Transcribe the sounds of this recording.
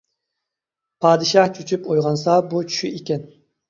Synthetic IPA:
pʰɑːd̪ɪʃɑht͡ʃʰyt͡ʃʰypojʁɑnsɑbut͡ʃʰy̥ʃyekʲɛn

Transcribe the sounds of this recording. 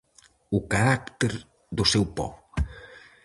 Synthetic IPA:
ukaɾak̚t̪eɾ | ðusɛwpɔ̰

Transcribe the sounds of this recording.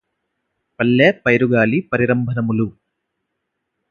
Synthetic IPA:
pɐlːeːpɐjɾuɡaːlipɐɾiɾɐmbʱɐnɐmulu

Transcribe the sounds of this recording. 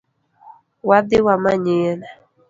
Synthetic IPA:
wadɪwamaɲena

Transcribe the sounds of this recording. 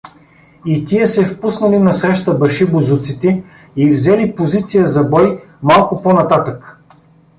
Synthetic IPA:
it̪iəsɛfpusnɐlinɐsɾɛʃt̪əbɐʃibʊzut̪sit̪ɛ | ivzɛlipozit̪sijəzɐbɔj | malˠkʊponɐt̪at̪ək

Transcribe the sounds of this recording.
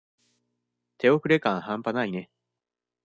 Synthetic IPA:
t̪ʰe̞o̞ɸɯ̟ɾe̞kãɰ̃hãmpanaine̞

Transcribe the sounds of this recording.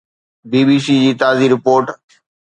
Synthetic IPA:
biːbiːsiːd͡ʑiːt̪aːziːɾɪpoːɾʈ

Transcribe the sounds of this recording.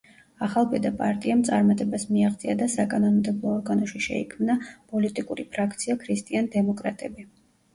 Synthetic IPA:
aχalˠpʼɛd̪apʼaɾt̪ʼiamt̪sʼaɾmat̪ʼɛbasmiaχt̪sʼiad̪asakʼanɔnmd̪ɛblˠɔːɾɡanɔʃiʃɛ̰ḭkʰmnapʼɔlit̪ʼikʼuɾipʰɾakʰt̪sʰiakʰɾist̪ʼiand̪ɛmɔkʼɾat̪ʼɛbi

